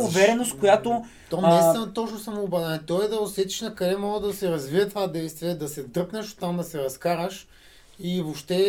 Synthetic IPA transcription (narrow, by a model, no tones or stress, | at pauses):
ʊvɛɾɛnost̪kojat̪o | t̪omd̪ɛjst̪vɛnɐt̪ɔt͡ʃnʊsɐmoːbazɛnɛt̪ɔɛd̪ɐʊsɛt̪i̥ʃnɐkɐɾɛmɔɡəd̪ɐsɛɾɐzviət̪ovad̪ɛjst̪viɛd̪ɐsɛd̪ɤɾknɛʃo̥t̪ːamd̪ɐsɛɾɐskaɾɐʃ | ivopʃt̪ɛ